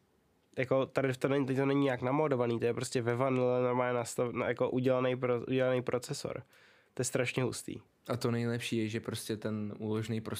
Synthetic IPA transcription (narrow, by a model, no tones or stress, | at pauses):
jako̞t̪adɪft̪onɛɲt̪ɛt̪onɛɲɪɲaknamoːdovaniːt̪ojɛpɾo̞scɛvɛvanɪlɛnoɾmaːlɲɛnast̪an̰jakoʔuɟɛlanɛjpɾoʔṵɟɛlanɛjpɾʔot͡sɛso̰ɾ | t̪ojɛst̪ɾaʃɲɛɦṵst̪ḭː | ʔat̪onɛjlɛpʃiːjɛʒɛpɾoscɛt̪ɛnʔuːloʒnejpɾo